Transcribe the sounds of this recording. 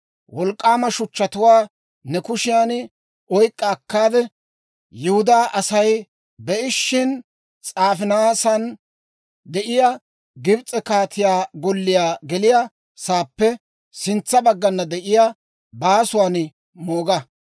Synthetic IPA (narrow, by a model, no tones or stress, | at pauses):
wɔlkʼːaːmɐʃʊt͡ʃːɐt̪ʊwaː | nɛkʊʃɪjaːn | ɔjkʼːɐːkːaːd̪ɛ | jɪhʊd̪aːʔɐsɐj | bɛʔɪʃːɪn | t͡sʼaːfɪnɐaːsɐn | d̪ɛʔɪja | ɡɪbt͡sʼːɛkaːt̪ɪjaːɡɔlːɪjaːɡɛlɪja | saːpːɛ | sɪnt͡sːɐbɐɡːɐnːɐd̪ɛʔɪja | baːsʊwaːn | moːɡɐ